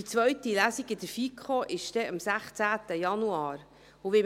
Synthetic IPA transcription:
it͡sʋœɥt̪ilæsiɡɪd̪əɾfikχoʔɪʃd̥̪ɛɑmsæχt͡sæːt̪əjɑnuɑːɾ | ʊʋɪ

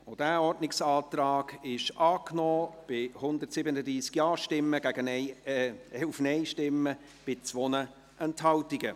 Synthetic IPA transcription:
od̥æːɔrdnɪksɑːt̪rɑːɡɪʃʔɑːknɔːb̥ɪhʊnd̪ətsɪbənədiːskjɑːʃtɪmːəɡ̥æɡənɛ | ufnɛɪʃtɪmːə | b̥ɪt͡sʋonə | ʔɛnthɑltɪɡə

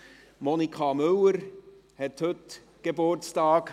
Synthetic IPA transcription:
mɔnikʰɑmɵwəɾ | hɛthɵt | ɡ̥ebʊɾtt͡stɑːk

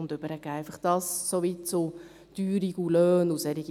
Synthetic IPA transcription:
ʊnd̪ʏb̥əɾəɡ̥ɛːæɪfɑχd̥ɑssoʋitt͡so | d̥yːɾiɡulœːnusɛɾiɡi

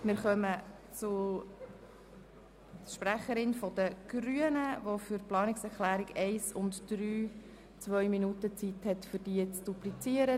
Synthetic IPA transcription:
mɪɾχœmə | t͡sʊ | ʃpræχəɾɪnfɔd̪əɡ̥ɾyənəʋofʏɾplɑːnɪksɛɾχlæːɾɪɡɛɪsʊntd̥ɾyː | t͡sʋœʏminutət͡sithɛt̪fʏɾd̥iːət͡sd̥uplit͡siəɾə

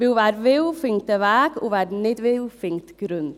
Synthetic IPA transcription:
ʋɪʋæːɾʋɪwfɪŋt̪əʋæːko̰ːʋæːɾnɪd̪ʋɪwfɪŋt̪ɡ̥ɾʉn

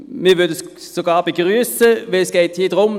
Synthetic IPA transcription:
miːʋʏɐd̪əs | soɡɑːbəɡʁyːsəʋɛlsɡ̥eɪt̪hiːd̪əʁʊm

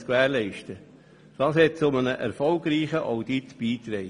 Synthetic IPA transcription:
skʋæːɾlɛɪʃtə | d̥ɑːshɛt̚t͡sʊmənəʔɛɾfɔlɡɾiːχəʔaʊdit̪b̥iːt̪ɾɛɪ

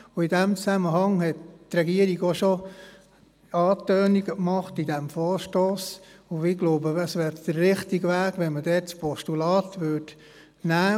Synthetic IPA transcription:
ʊidæmt͡sæməɦɑŋhɛttɾɛɡiəɾiɡoʃo | ɑːtœːniɡəkmɑχtidæmfɔːɾʃtoːsʊɪɡloʊbəɑsʋæːɾd̥əɾːɪχtiɡʋæːɡʋɛnmədɛːtspɔʃtulɑːtʋʏt | næː

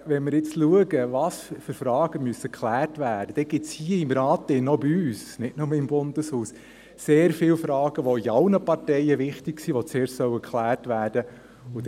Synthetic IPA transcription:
ʋɛnmɪɾjɪt͡sluəɡəʋɑsfʏɾfɾɑːɡ̥əmyəsəkχlæːrtʋæːd̥əd̥ɛɡ̥ɪtt͡shiəimɾɑːt̪ɪnɔbiyːsnɪtnʊməɪmbʊnd̥əshuːs | seːɾfɪːlfɾɑːɡ̥əʋɔiɑlnəpɑrtɛɪəʋɪχtɪksiʋɔt͡seːɾʃsœʊəkʰχlæːrtʋæːrd̥ə | ʊd

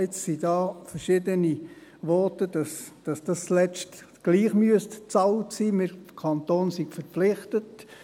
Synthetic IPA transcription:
ɪt͡ssid̥ɑːfəɾʃɪdəniʋɔtədɑsd̥ɑsd̥ɑslɛt͡ʃt | ɡ̥liːχmyəstt͡sɑltsiːmɪɾkʰɑnt̪oːnsiɡfəɾpflɪχtət

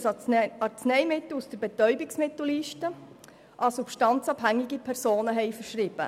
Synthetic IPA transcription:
sɑɾt͡snɛɪmɪt̪l̩usd̥əɾbɛt̪œʏbɪksmɪt̪l̩liːʃtə | ʔɑsupʃtɑnt͡sɑbhæŋːɪɡipʰɛɾsoːnəɦɛɪfəɾʃɾɪb̥ə̰

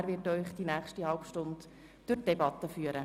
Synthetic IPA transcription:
ɾʋɪtœʏχd̥inæːχʃtihɑlpʃtʊnd | d̥ʊrtd̥ɛbɑt̪ːəfyːəɾə

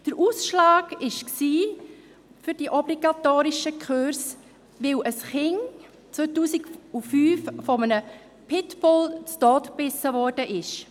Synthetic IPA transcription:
d̥əɾʔuːsʃlɑːɡɪʃksiː | fʏɾdiʔɔbliɡɑtoːɾiʃəkʰχøɾs | ʋɪlʔəsχɪŋ | t͡sʋotuːsɪɡufyːffɔmənə | pʰɪtfɔlt͡stɔːtb̥ɪsəvɔɾd̥əʔɪʃ

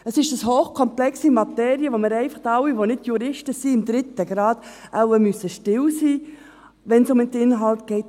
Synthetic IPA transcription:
əsɪʃd̥əshoːχkʰɔmplɛksimɑt̪ɛːɾiəʋomɪɾɛɪfɑχtɑwiʋonɪtjuɾɪʃtəsiːɪmd̪ɾɪt̪ːəɡɾɑːd̥̪ʔawəmysːəʃtɪwsiː | ʋɛnsʊmɪt̪ːɪnɦɑlt̪ɡ̥ɛɪt

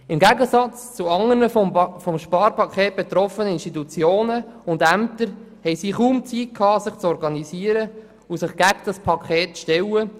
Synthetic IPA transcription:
ɪmɡæɡəsɑt͡st͡suɑŋənəfɔmʃpɑːɾpʰɑkχɛːt̚b̥ɛt̪ɾɔfənəɪnʃtit̪ut͡sjoːnəʊndæmt̪əɾ | hɛjsiːχuːmt͡sit̚kʰːɑːsɪχt͡sɔɾɡɑnisiːəɾə | ʊsɪχɡ̥æɡd̥ɑspʰɑkχɛːtt͡sʃtɛwə

